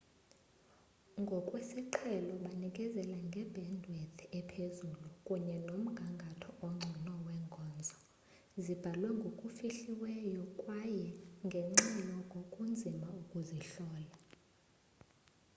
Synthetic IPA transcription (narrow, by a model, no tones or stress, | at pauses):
ŋɡʱɔkʼwesiǃʰɛlɔɓanikʼɛzɛlaŋɡʱɛbʱɛndʱwɛt̪ʰɛpʰezulukʼuɲɛnom̩ɡ̥ʱaŋɡʱatʰɔɔŋ͡ǀʱinɔwɛŋɡʱɔːnd͡zʱɔ | zib̥ʱalwɛŋɡʱokʼufiɬiwɛjɔkʼwajɛŋɡʱeŋ͡ǁilɔkʼokʼund͡zʱimaukʼuziɬɔːla